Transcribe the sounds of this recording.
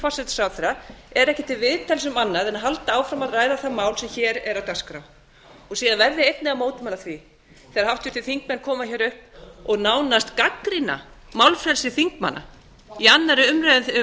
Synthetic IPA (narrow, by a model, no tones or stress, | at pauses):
fasɛt̪sawθɛɾaɛɾɛhcɪt̪ʰɪlvɪðt̪ʰɛlsʏmanːaðɛnaɦalt̪aaːwfɾamaðraːjðaθamaːwlsɛmçɛːɾɛɾawt̪askɾaw | ɔɣsiːðanvɛɾðɪejt̪nɪamoːwt̪ɪmɛnlaθvi | θɛaɾhaft̪ʏ̥ɾt̪ɪθiŋkmɛnkʰɔːmaçɛːɾʏhpɔɣnaːwnast̪kakɾina̰ | mawlfɾɛlsɪθiŋkma̰nːa̰ | ianːaɾɪʏmɾaðʏ